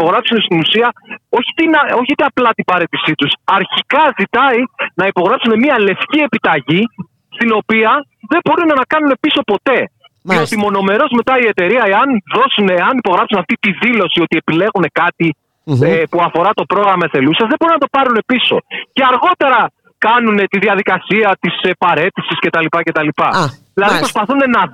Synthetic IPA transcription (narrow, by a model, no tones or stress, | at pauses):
po̞ɣɾɐpsune̞st̪inusiɐo̞çit̪inɐo̞çit̪eɐplɐt̪ibɐɾe̞t̪isit̪usɐɾçikɐzit̪ɐinɐipo̞ɣɾɐpsune̞miɐle̞fcie̞pit̪ɐʝi | st̪ino̞piɐ | ðe̞bo̞ɾunɐnɐkɐnune̞piso̞po̞t̪e̞ | ot̪imo̞no̞me̞ɾo̞zme̞t̪ɐie̞t̪e̞ɾiɐeɐnðo̞suneːɐnipo̞ɣɾɐpsunɐft̪it̪iðilo̞siot̪ie̞pile̞ɣune̞kɐt̪i | epuɐfo̞ɾɐt̪o̞pɾo̞ɣɾɐmɐeθe̞lusɐzðebo̞ɾinɐt̪o̞pɐɾune̞piso̞̰ce̞ɐɾɣo̞t̪e̞ɾɐ | kɐnune̞t̪iðiɐðikɐsiɐt̪isepɐɾe̞t̪isisce̞t̪ɐlipɐce̞t̪ɐlipɐðilɐðipɾo̞spɐθune̞nɐ